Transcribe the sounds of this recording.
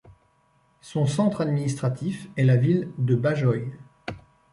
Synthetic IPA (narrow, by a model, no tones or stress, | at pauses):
sɔ̃sɑ̃t̪χad̪minist̪χat̪ʰifɛlavild̪əbaʒɔj